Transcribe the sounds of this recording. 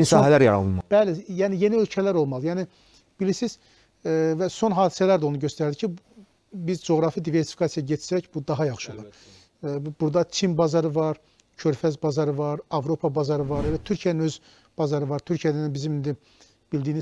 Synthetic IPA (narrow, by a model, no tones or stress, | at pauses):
nsɑɦælæɾjɑ̰ɾɑ̰lˠɯnmɑb̥ælijæːnije̞niølcʰælæɾo̞lˠmɑlˠɯjæːni | b̥ilisiz̥ | væso̞nɦɑːd̪i̥sælæɾd̪o̞nuɟø̞st̪æɾd̪icʰi | bizd͡ʒo̞ɣɾɑfid̪ive̞ɾsi̥fi̥kʰɑsijɑɟet͡ʃ̪ʰsæcbud̪ɑɦɑjɑχʃɯolˠɑɾ | buɾd̪ɑt͡ʃʰinbɑzɑɾɯvɑɾ | cʰø̞ɾfæzbɑzɑɾɯvɑɾɑvɾo̞pʰɑbɑzɑɾɯvɑɾelæt̪ʰyɾcʰijæninøz | b̥ɑzɑɾɯvɑɾt̪ʰyɾcʰijæd̪æninbizimind̪i | b̥ild̪iːniz